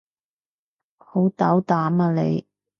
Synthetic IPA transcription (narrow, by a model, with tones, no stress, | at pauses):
ho˨˥wt̪aː˨˥wt̪aː˨˥maː˧lḛ˨˧j